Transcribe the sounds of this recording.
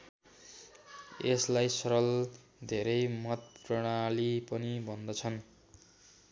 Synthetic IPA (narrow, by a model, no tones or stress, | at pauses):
eslajsʌɾʌl | d̪ʱeɾʌjmʌt̪̚pprʌɽ̃alipʌnibʱʌnd̪ʌt͡sʰʌn